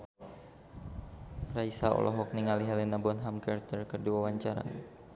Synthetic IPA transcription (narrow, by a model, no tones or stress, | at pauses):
raisaɔ̰lʔɔ̰ɦɔk̚niŋaliɦalinabɔnɦamkart̪ərkərduwawaɲt͡ʃaɾa̰